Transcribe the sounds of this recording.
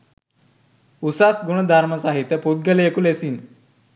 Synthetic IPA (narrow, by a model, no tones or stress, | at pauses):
usasɡuɳ̃əd̪ʱaɾməsaɦit̪ːəpud̪̚ɡəleekulesin